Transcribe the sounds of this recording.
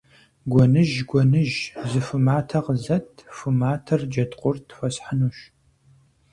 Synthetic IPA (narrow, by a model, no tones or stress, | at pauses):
ɡʷɔnɨʒɡʷɔnɨʒzɨfɨmaːtʰɐʁəzɐtʰfɨmaːtʰɐrd͡ʒɐtʼqʷʼʊrtʰfʷɐsħanuːɕ